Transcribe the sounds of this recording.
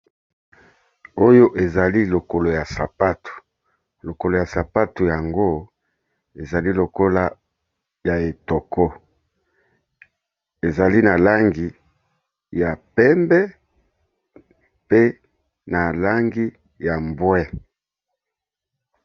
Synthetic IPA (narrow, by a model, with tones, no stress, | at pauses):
o˦jo˦ʔe˨za˨li˦lo˨ko˨lo˨ja˨sa˨pa˦tu̥˨ | lo˨ko˨lo˨ja˨sa˨pa˦tu˨ja˨ŋɡo˦ | e˨za˨li˦lo˨ko˦la˦ | ja˨e˨tɔ˨kʰɔ˦ | e˨za˨li˦na˨la˦ŋɡi˨ | ja˨pɛ˦mbɛ˦ | pe˦ | na˨la˦ŋɡi˦ | ja˨mbwɛ˦